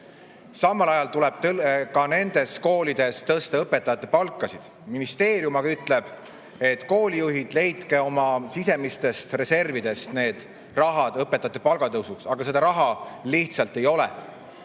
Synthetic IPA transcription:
sɑmːɑlɑjɑlt̪ulɛb̥̚t̪kɑne̞nd̪̥e̞sko̞ːlid̪̥e̞st̪ɤst̪eɤpːe̞t̪ːˑɑjɑt̪ːˑe̞pɑlkːˑɑsid̪̥ | minist̪e̞ːɾijumɑɡɑyt̪ːˑle̞b̥ | e̞t̪ːko̞ːlijuɦid̪̥le̞jt̪ke̞o̞mɑsis̬e̞mist̪e̞st̪re̞se̞rvid̪e̞st̪ne̞ːd̪̥ | rɑɦɑd̪̥ɤpːˑet̪ːˑɑjɑt̪ːˑepɑlɡ̥ɑt̪ɤwsuksɑɡ̥ɑse̞d̪̥ɑɾɑɦɑliht̪sɑlt̪ːˑe̞jo̞lɛ̰

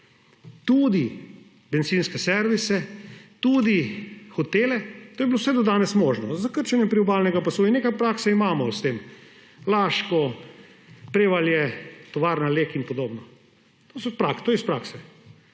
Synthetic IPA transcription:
t̪ud̪i | beɛnt̪siːnskɛsɛɾʋisɛt̪ud̪ixɔt̪eːlɛt̪oːjɛblowsɛd̪ɔd̪aːnɛsmoʒnɔzakəɾt͡ʃɛnjɛmpɾiɔbaːlnɛɡapasuinːekajpɾaːksaimaːmɔst̪eːm | laːʃkɔ | pɾeːʋaljɛt̪ɔʋaːɾnaleːkinpɔd̪oːbnɔ | t̪oːsɔpɾakt̪oːjɛispɾaːksɛ

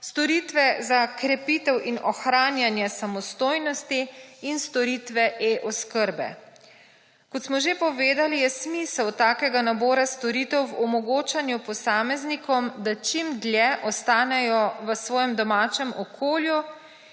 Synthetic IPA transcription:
st̪ɔɾiːt̪ʋɛzakɾɛpiːt̪ɛwʔinɔxɾaːnjanjɛsamɔst̪oːjnɔst̪iːnst̪ɔɾiːt̪ʋɛʔeʔɔskəɾbɛ̰ | kɔt̪smɔʒepɔʋeːd̪alijɛsmisɛwt̪aːkɛɡanabɔːɾast̪ɔɾiːt̪ɛwwɔmɔɡoːt͡ʃanjupɔsaːmɛznikɔmd̪at͡ʃimd̪lʲjɛʔɔst̪aːnɛjɔʋəsʋɔːjɛmd̪ɔmaːt͡ʃɛmɔkʰoːlju

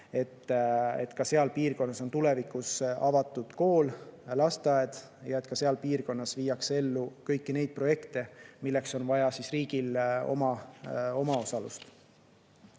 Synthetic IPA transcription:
e̞t̪ːe̞̰t̪kɑseɑlpiːrko̞nːɑso̞nt̪ule̞vikˑusɑvɑt̪ːˑud̪̥ko̞ːllɑst̪ɑed̪̥ | jɑet̪ˑkɑse̞ɑlpiːrko̞nːɑsviːjɑkse̞lːukɤ̞jkːine̞jd̪̥̚pro̞je̞kt̪e̞milːe̞kso̞nvɑjɑsisriːɡ̥ilo̞̰mɑo̞mɑo̞sɑlṵst̪

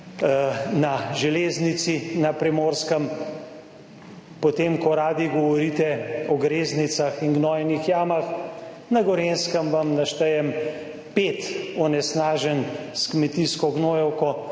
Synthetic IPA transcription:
naʒɛleːznit̪sinapɾɛmoːɾskəm | pɔt̪eːmkɔɾaːd̪iɡɔʋɔɾit̪ɛɔɡɾeːznit̪saxinɡnɔːjɛnixjaːmax | naɡɔɾenskəmʋamnaʃt̪ɛjɛm | pet̪ɔnɛsnaːʒənskmɛt̪iskɔɡnoːjɛwkɔ

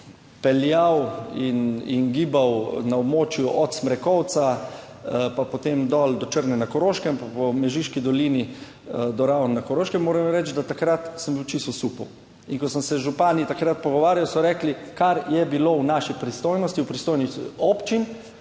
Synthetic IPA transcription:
pɛljawinḭnɡiːbawnaɔbmoːt͡ʃjuʔɔt̪smɾɛkɔw̪sa | papɔt̪emd̪ɔld̪ɔt͡ʃəɾnɛnakɔɾoʃkɛmpapɔmɛʒiʃkid̪ɔliːni | d̪ɔɾawnnakɔɾoːʃkɛmːoːɾɛmɾɛt͡ʃd̪at̪akɾat̪səmbiwt͡ʃist̪ɔsupɔw | inkɔsəmsɛʒupaːnit̪akɾat̪̚pɔɡɔʋaːɾjawsɔɾɛːklikaɾjɛbilownaʃipɾist̪oːjnɔst̪iwpɾist̪oːjnixopt͡ʃin

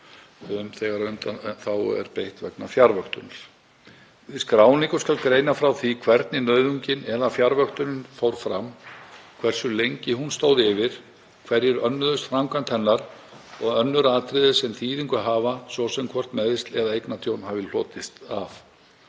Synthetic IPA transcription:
ʏmθɛɣaɾʏnt̪aθawɛ̰ɾpejht̪vɛknafjaɾvœht̪ʏnɾ̥ | ɪskɾaːwnikʏ̥skalkɾeːjnafɾawθikʰvɛɾt̪nɪnœɥðʏɲcɪnɛðafjaɾvœxt̪ʏnʏnfowɾ̥fɾamkʰvɛr̥sʏlejɲcɪɦunst̪oːwðɪvɪɾ̥ | kʰvɛɾjɛɾœnːʏðʏst̪fɾawŋkant̪hɛnːaɾ | ɔɣœnːʏɾaːt̪ɾɪðɪ̥sɛmθiːðiŋkʏɦaːvasvɔsɛmkʰvɔr̥t̪mɛðɪst̪lɛðaejknat̪ʰjownhaːvɪl̥ɔːt̪ɪst̪af

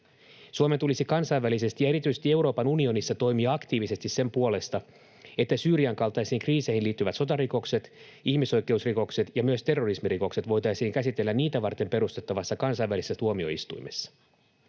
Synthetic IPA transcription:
suomet̪ulisikɑnsɑjʋælise̞st̪ijɑe̞ɾit̪ysest̪ie̞wɾo̞ːpɑnunio̞nisːɑt̪o̞jmiɑɑkt̪iːʋise̞st̪isse̞mpuo̞le̞st̪ɑ | e̞t̪ːæsyːɾiɑŋkɑlt̪ɑjsiːŋkriːse̞ihinliːt̪ːyʋæt̪so̞t̪ɑriko̞kse̞t̪ | ihmiso̞jke̞usriko̞kset̪jɑmyøst̪e̞rːo̞rismiriko̞kse̞t̪ʋo̞jt̪ɑjsiːŋkæsit̪elːænniːt̪æʋɑrt̪e̞mpe̞ɾust̪et̪ːɑʋɑsːɑkɑnsɑjʋːælisesːæt̪uomio̞̰ḭst̪ṵjmesːɑ̥

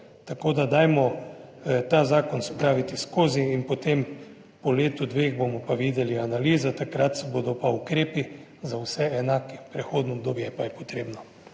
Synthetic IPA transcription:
t̪akoːd̪ad̪ajmɔ | t̪azaːkɔnsɔpɾaːʋit̪iskoːziinpɔt̪em | pɔleːt̪ud̪ʋeːɣbomɔpaʋiːd̪ɛlianaliːzat̪akɾat̪sɛbod̪ɔpaukɾeːpi | zawsɛɛnaːkɛpɾɛxoːd̪nɔɔb̚d̪oːbjɛpajɛpɔ̥t̪ɾeːbnɔ

